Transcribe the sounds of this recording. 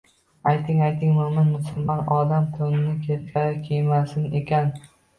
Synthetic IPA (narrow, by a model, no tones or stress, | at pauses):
ajt̪ʰɪŋajt̪ʰɪŋmʊmɪnmʊsɪmanɒd̪amt̪ʰonɪnɪkʲʰeɾkʲʰaɾɪkʲʰejmasɪne̞kʲan